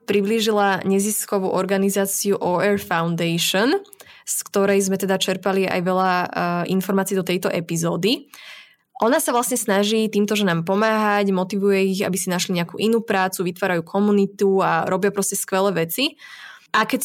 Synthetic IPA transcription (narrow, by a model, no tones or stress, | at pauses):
pɾibliʒilaɲɛziskɔʋṵːʔɔɾɡanizaːt͡siuʔɔːɛɾfaʊnd̪ɛjʃɔnskt̪ɔɾɛjzmɛt̪ɛd̪at͡ʃɛɾpalia̰jʋɛʎaʔinfɔɾmaːt͡siːd̪ɔt̪ɛjt̪ɔʔɛpizɔːd̪i | ʔɔnasaʋlasɲɛsnaʒiːt̪iːmt̪ɔʒɛnaːmpɔmaːɦaɟmɔt̪iʋujɛiɣa̰bisinaʃliɲɛakṵːʔinuːpɾaːt͡suʋit̪ʋaːɾajuːkʰɔmunit̪uaɾɔbɪapɾɔscɛskʋɛlɛʋɛt͡si | ʔakɛc